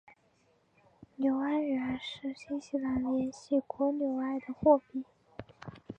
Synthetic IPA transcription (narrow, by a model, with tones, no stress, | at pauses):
njo˧˥ʊa˥nɻə˧˥˧ʂɻ̩˥˩ɕi˥ŋɕi˧˥la˧˥nljɛ˧˥nɕi˥˩kwɔ˧˥njo˧˩ʊa˥˩ɪd̪ə˨xwɔ˥˧pi˥˩